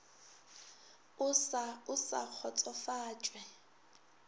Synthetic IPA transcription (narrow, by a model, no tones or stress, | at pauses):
ʊsaʊsa̰k͡xʰɔt͡sʼɔfaːt͡ʃʼwɛ